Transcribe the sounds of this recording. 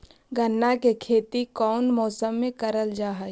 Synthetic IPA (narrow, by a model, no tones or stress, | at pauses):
ɡənːakekʰeːt̪ikɔːnmɔːsəmːẽkɐɾəld͡ʒaːɦa